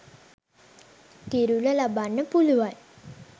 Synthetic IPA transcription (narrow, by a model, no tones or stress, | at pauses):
kiɾuləlabanːəpuluʋan